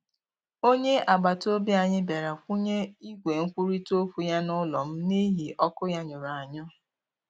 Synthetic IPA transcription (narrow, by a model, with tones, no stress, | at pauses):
o˦ɲe˦a˨ɡ͡ba˨to˦bi˦a˨ɲɪ˦be˨ɾa˨kʷu˦ɲe˦i˦ɡʷe˨ŋ̩˦kʷu˦ɾi˦to˦fu˨ja˦nʊ˦lɔ˨m̩˦ni˦ɦi˨ʔɔ˦kʊ˦ja˦ɲʊ˨ɾa˨ɲɔ˦